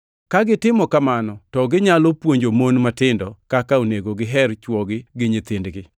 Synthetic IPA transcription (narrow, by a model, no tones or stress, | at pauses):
kaɡɪtɪmɔkamanɔtɔɡɪɲalɔpwoɲd͡ʒomonmatɪndɔkakaoneɡoɡɪɦɛɾt͡ʃwɔɡɪɡɪɲɪt̪ɪndɡɪ